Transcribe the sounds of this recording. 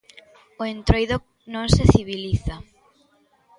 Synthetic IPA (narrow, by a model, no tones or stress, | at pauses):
oent̪ɾojðok | nõŋseθiβiliθa